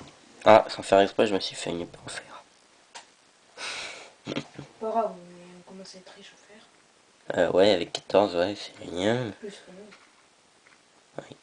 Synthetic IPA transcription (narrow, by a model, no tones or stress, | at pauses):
asɑ̃fɛʁɛkspɛʒəməsɥifɛ̰ynepøɑ̃fɛʁ | pɔʁaɔ̃ɔ̃kɔmɑ̃set̪χiʃɔfɛːʁ | ø̰wʔɛavɛkːḁt̪ʰɔʁzwɛsɛ̥jɛ̃plyskəmɔ̃ | wɛ̰